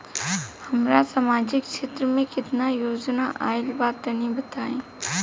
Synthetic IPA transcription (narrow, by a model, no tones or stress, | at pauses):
hɐmɾasaːmaːd͡ʒɪkʃeːt̪ɾəmẽkɪt̪najoːd͡ʒnaʔaːɪlbaːt̪ːɐnibɐt̪aːẽː